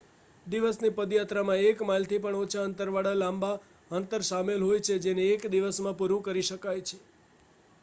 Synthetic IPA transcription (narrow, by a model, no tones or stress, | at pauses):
d̪iʋəsnipəd̪jat̪ɾamãekmalt̪ʰipəɳot͡ʃʰaənt̪əɾʋaɽalãmba | ənt̪əɾʃamelɦojt͡ʃʰed͡ʒeneːkd̪iʋəsmãpuɾũkəɾiʃəkajt͡ʃʰe̥